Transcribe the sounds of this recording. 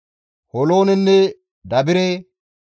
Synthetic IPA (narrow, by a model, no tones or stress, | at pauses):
hɔlo̞ːnɛnːɛ | d̪ɐbɪɾe